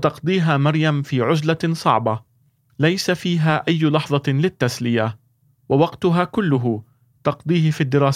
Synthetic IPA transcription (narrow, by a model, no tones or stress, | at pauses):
t̪ɑqd̪ˤiːɦaːmɑɾjamfiːʕʊzlasˤɑ̰ʕbɑ | lajsafiːɦaːʔajːʊlɑħðˤɑlɪt̪ːaslɪja | wawɑqt̪ʊɦaːkʊlːʊɦʊ | t̪ɑqd̪ˤiːhɪfiːd̪ːɪɾɑːs